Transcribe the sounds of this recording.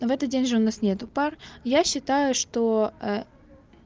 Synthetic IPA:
vɛt̪ət̪̚dʲenʲʐɨʊnasnʲet̪ʊparjaɕːɪt̪ajʊʂt̪oə

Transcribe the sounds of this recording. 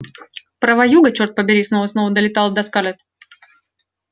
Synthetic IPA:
pɾəvɐjuɡət͡ɕort̪̚pəbʲɪɾʲisnovəsnovəd̪əlʲɪt̪ɑlˠd̪ɐskalʲɛt̪

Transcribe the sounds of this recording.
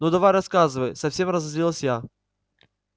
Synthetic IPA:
nod̪ɐvajrɐskazɨvəjsɐfsʲe̞mrɐzɐzʲɾʲilˠsʲja

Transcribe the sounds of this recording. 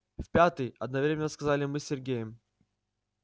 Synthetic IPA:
fʲpʲat̪ɨjɐ̰d̪̚nɐvɾʲemʲɪnːəskɐzalʲɪmɨsʲɪrɡʲejɪm

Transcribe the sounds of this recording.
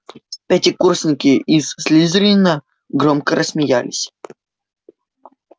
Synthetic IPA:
pʲætʲɪkursʲnʲɪkʲɪisːʲlʲizʲɾʲinːə | ɡɾomkəɾʔəsmʲɪja̰lʲɪsʲ

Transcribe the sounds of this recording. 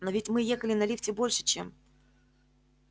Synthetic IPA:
novʲɪtʲmɨjexəlʲɪnɐlʲiftʲɪbo̞lʲʂɨ̥t͡ɕem

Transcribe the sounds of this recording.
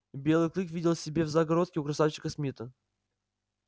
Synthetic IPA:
bʲe̞lˠɨjklʲˠɨkvʲidʲɪlˠsʲɪbʲevzaɡɐɾo̞t̪̚kʲɪʊkɾɐsaft͡ɕːɪ̥kəsmʲit̪ə

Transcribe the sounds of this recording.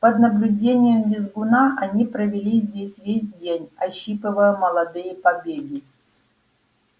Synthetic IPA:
pəd̪nəblʲʊdʲenʲɪjəmdʲɪzɡʊnaʔɐnʲipɾəvʲɪlʲizʲdʲesʲvʲesʲdʲenʲɐɕːipɨvəjəməlˠɐd̪ɨjəpɐbʲeɡʲɪ

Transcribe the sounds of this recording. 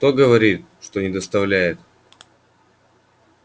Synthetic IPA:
kt̪oɡəvɐɾʲit̪̚ | ʂt̪onʲɪd̪əst̪ɐvlʲæjɪt̪

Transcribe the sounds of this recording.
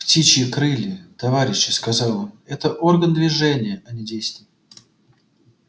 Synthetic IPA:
ptʲit͡ɕɪkɾɨlʲɪt̪ɐvaɾʲɪɕːɪskɐzɑlˠomɛt̪əʔo̞rɡənd̪vʲɪʐɛnʲɪjəʔɐnʲɪdʲejst̪vʲɪj

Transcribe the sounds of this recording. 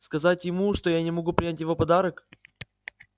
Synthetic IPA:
skɐzatʲjɪmuʂt̪ojanʲɪmɐɡupɾʲɪnʲætʲjɪvo̞pɐd̪aɾək

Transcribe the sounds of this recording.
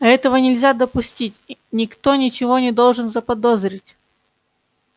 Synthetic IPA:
ɛt̪əvənʲɪlʲzʲad̪əpʊsʲtʲitʲnʲɪkt̪o̞nʲɪt͡ɕɪvo̞nʲɪd̪o̞lˠʐɨnzəpɐd̪ozɾʲɪtʲ

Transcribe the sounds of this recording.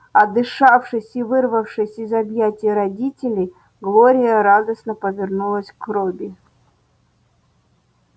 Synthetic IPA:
ɐd̪ɨʂafʂɨsʲivɨrvəfʂɨsʲɪzɐbjætʲɪjəɾɐdʲitʲɪlʲɪj | ɡlˠoɾʲɪjəɾad̪əsnəpəvʲɪrnulˠəsʲkrobʲɪ

